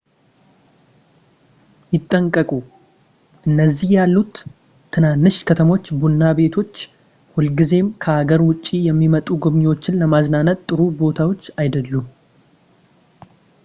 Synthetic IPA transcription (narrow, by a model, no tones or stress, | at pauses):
jɪt̪ʼːəŋkʼəkʼu | ʔɨnːəzːihjalːut̪ʰː | ɨnanːɨʃkʰət̪ʰəmo̞t͡ʃːbunːabe̞t̪ʰo̞t͡ʃː | hʊlɡize̞mkʰəhaɡəɾwʊt͡ʃʼːijɛmːimət̪ʼuɡoβɲɛwot͡ʃːɪnləmaznanət̪ʼːɨɾubo̞t̪ʰawo̞t͡ʃːajd̪əlːum